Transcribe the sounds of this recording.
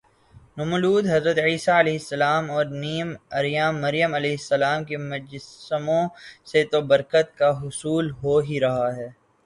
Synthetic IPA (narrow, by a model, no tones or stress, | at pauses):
nʊmʊluːd̪ɦɐzɾət̪iːsaɐleːɦɪsːɐlaːmɔːɾniːmɐɾjaːmːɐɾjəmɐleːɦɪsːɐlaːmkemʊd͡ʒsəmõset̪obɐɾkət̪̚kaɦʊsuːlɦoːɦiɾɐɦaɦɛː